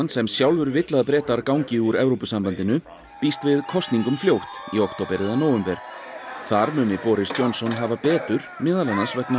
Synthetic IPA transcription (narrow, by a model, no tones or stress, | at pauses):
nsɛmsjawlvʏɾvɪt̪laðp̬ɾɛːt̪aɾkawɲcɪuɾɛvɾopʏsampant̪ɪnʏ | pist̪vɪðkʰɔst̪niŋkʏmfljoːwht̪iowkt̪owpɪɾɪðanoːwʏmpɛɾ̥θaɾmʏːnɪpɔːɾɪst̪jɔwnsɔnɦaːvapɛːt̪ʏɾ̥mɪːðalanːasvɛkna